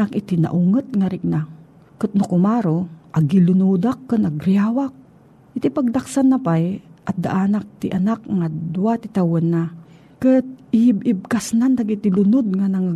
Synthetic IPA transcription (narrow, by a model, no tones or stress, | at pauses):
akɪt̪ina̰ʔuŋət̪̚ŋaɾɪk̚na | kɨt̪̚nʊkʊmaɾoʔaɡilʊnud̪akːənaɡɾɪaːwak̚ | ʔɪt̪ipaɡ̚d̪aksanːapajʔat̪̚d̪a̰ʔanak̚t̪ɪʔanakŋad̪uwat̪ɪt̪awonːa | kɨt̪̚ɪhibɪb̚kasnand̪aɡit̪ilʊnʊd̪̚ŋanaŋa